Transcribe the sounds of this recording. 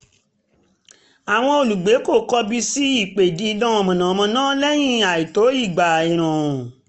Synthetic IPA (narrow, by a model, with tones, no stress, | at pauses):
a˨w̃ɔ̃˧o˨lu˨ɡ͡be˨˦ko˦˨kɔ˧bi˧si˦i˦˨k͡pe˨dĩ˨˦dã˦ɔ˨mɔ̃˨nã˨mɔ̃˧nãː˦lɛ˦j̃ĩ˦a˨i˨to˨˦i˦˨ɡ͡ba˨i˨ɾ̃ã˨ɔ̃˨